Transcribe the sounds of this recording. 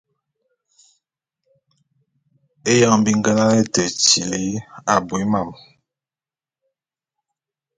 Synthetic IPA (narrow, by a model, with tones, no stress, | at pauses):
e˦ja˦ŋm˦bi˦ŋ˦ɡɛ˦la˦lɛ˦tɛ˨ti˨le˨˦a˨bo˨e˦ma˨m